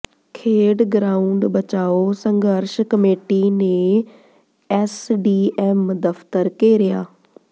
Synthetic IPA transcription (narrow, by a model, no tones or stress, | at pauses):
kʰeːɖɡɾaːʊɳɖbət͡ʃaːosə̃ŋɡəɾʃkəmeːʈinẽ | ɛsɖiːɛːmd̪əft̪əɾkeːɾɪjaː